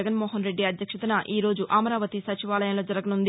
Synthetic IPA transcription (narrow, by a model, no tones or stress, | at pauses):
ɡɐnmɔːɦɐnɾe̞ɖːiɐd̪ʱjɐkʂɐt̪ɐnɐʔiːɾo̞ːd͡ʒuʔaːmɐɾaːʋɐt̪isɐt͡ʃiʋaːlɐjɐmlo̞ːd͡ʒɐɾɐɡɐnund̪i